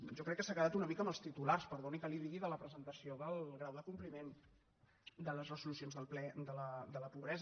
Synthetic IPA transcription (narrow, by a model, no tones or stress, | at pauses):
ʒɔkɾɛkːəsakəðat̪unəmikəməlˠst̪it̪ularspəɾðonikəliðiɣiðələpɾəzənt̪əsioðəlˠɣɾawðəkumplimen | d̪ələzrəzulusionzðəlˠplɛd̪ələd̪ələpuβɾɛz